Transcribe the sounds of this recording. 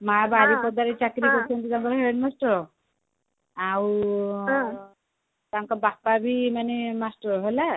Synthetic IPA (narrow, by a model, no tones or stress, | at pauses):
mabaɾipɔd̪aɾet͡ʃakɾikɔɾt͡ʃʰɔnt̪it̪aŋkɔɾɦeɖmasʈɔɾɔ | aw | t̪aŋkɔbapabimanemasʈɔɾɔɦɔjla